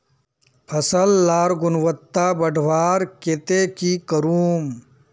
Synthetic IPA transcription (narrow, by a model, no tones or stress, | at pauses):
pʰɐsəlːaːɾɡʊnʋət̪ːabɐɖʱʋaːɾket̪ekikəɾuːm